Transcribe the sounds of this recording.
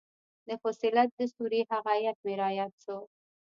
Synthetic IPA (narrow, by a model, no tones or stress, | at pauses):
d̪əfosɪlat̪̚d̪əsuɾehaɣajat̪̚mɪɾɑjat̪so